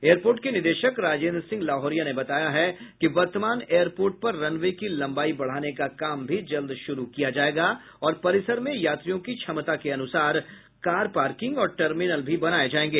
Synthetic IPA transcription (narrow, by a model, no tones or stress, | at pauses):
eːjəɾpoːɾʈkenɪɾd̪eːʃəkɾaːd͡ʒẽːnd̪ɾsɪ̃ŋɡlaːɦɔːɾijanebɐt̪aːjaɦɛkiʋɐɾt̪əmaːneːəɾpoːɾʈ̚pɐɾːɐnʋekilɐ̃mbaːibɐɽ̤aːnekakaːmbʱid͡ʒɐld̪ʃʊɾukijad͡ʒaːeːɡa | ɔːɾpɐɾɪsəɾmẽjaːt̪ɾijõkit͡ʃʰɐmt̪akeɐnʊsaːɾ | kaːɾpaːɾkɪ̃ŋɡɔːɾʈəɾmɪnəlbʱibɐnaːed͡ʒaːẽːŋɡeː